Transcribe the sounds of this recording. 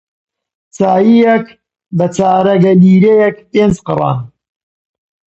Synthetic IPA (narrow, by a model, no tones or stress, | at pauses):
t͡saːjijɛk | bɐt͡saːɾɐɡɐliːɾejɛkteːnt͡sqɨrˤɑ̰ːn